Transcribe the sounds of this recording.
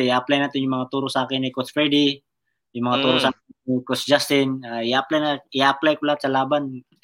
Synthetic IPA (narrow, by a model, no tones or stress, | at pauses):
aɐplajnaːt̪ɪnjʊŋmɐŋat̪uːɾʊsaːkɪnːɪkosfɛd̪i | jʊŋmɐŋat̪uːɾosaːkɪnikosd͡ʒast̪ɪnaɪaaplajnaɪaaplajkʊlat̪sɐlaːban